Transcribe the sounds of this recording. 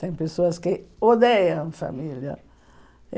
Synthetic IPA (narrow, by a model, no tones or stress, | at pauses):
t̪ɛ̃j̃pesoɐskɪod̪ejɐ̃fa̰miljɐ̰